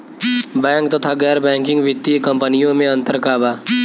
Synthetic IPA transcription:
bɛ̃ːŋkt̪ɐt̪ʰaɡɛːɾbɛ̃ːŋkɪ̃ŋɡʋɪt̪ːikə̃mpənijõmẽɐ̃nt̪əɾkaːbaː

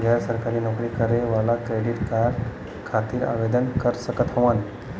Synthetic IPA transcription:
ɡaɾsəɾkaɾiːnokɾiːkəɾeʋalakɾeɖiʈkaɾɖ | kʰat̪iːɾa̰ʋed̪ənkəɾsəkət̪ʰəʋan

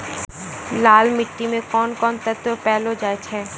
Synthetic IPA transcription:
laːlmɪʈːimẽkɔnkɔːnt̪ət̪ːopɛːlod͡ʒaːet͡ʃʰɛ

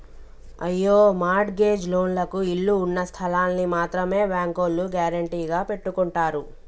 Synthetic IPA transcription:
ɐ̰jːoːmaːɾʈɡe̞ːd͡ʒlo̞ːnlɐkuiɭːuːnːɐst̪ʰɐlaːnːimaːt̪ɾɐme̞ːbaːŋkolːuɡjaːɾɐɳʈiːɡaːpe̞ʈːukuɳʈaːɾu

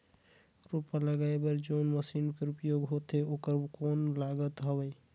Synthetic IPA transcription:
ɾupːaləɡaebəɾd͡ʒoːnməsinkeɾupjoɡɦot̪eokəɾkonlaɡət̪ɦəbəj

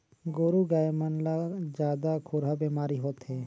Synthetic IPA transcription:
ɡoːɾuɡaːjmənlad͡ʒjaːd̪akʰʊɾabeːmaːɾiɦoːt̪ɦɛː

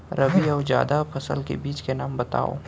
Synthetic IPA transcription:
ɾʔɐʋiaːd͡ʒja̰ːd̪apʰɐsə̰lkḛbiːt͡ʃkenaːmbɐt̪a̰ːo̰ː

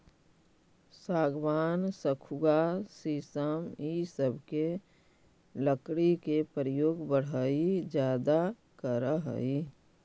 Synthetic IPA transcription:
saːɡʋaːnsəkʰuɡasisəmisəbʱke | ləkɽikepəɾjoːɡbəɽ̤əid͡ʒjaːd̪a | kəɾəɦə̰i

